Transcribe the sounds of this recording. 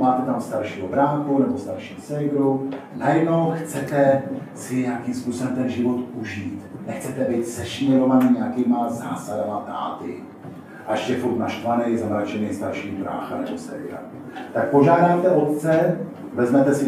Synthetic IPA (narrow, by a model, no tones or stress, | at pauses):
maːt̪ɛt̪amst̪aɾʃiːɦobɾaːxunɛbo̞st̪aɾʃiːsɛɪɡɾunajɛdno̞wxt͡sɛt̪ɛsɪɲaakimspuːsobɛmt̪ɛnʒɪvo̞t̪uʒiːt̪nɛxt͡sɛt̪ɛbɪt̪sɛʃɪɲɛɾovaɲɪɲɛakiːmaza̰ːsadamat̪a̰ːt̪ɪ̰ | ʔaɛʃcɛfuɾt̪naʃt̪vanɛjzamɾat͡ʃɛnɪːst̪aɾʃiːɦobɾa̰ːxa̰nɛ̰bo̞sɛ̰vɪɾa̰ | t̪ak̚po̞ʒaːdaːt̪ɛʔo̞t̪t͡sɛ | vɛzmɛt̪ɛsɪ